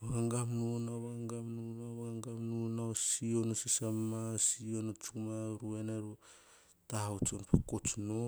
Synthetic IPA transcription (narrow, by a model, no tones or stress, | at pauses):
ohaŋɡamnunaβahaŋɡamnunaβaaŋɡamnunaosionosisamasionot͡ʃumaɾuenaɾu | tahat͡ʃonpʰakot͡ʃno